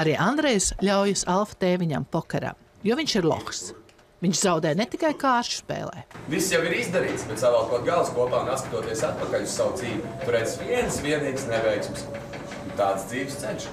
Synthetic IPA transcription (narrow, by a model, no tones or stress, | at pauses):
aɾiːʔand̪ɾɛjsʎʲawjasalˠfḁt̪eːvʲiɲa̰mpɔkɛɾa̰m | juɔviɲʃiɾlˠɔ̰xs | viɲʃzawd̪ɛjnet̪ikajkaːʃt͡ʃu̥spḛːlˠɛ̰ːvisːjawiɾizd̪aɾiːt̪sbɛt̪savaːkɔt̪̚ɡalˠskuɔpaːunaskɐt̪uɔt̪iɛsat̪̚pakaʎʲussawd̪ziːvʲit̪uɾɛːt̪sviɛnsviɛniːɡsnɛbɛjksums | unt̪aːd̪sd̪ziːvst̪sɛnʃ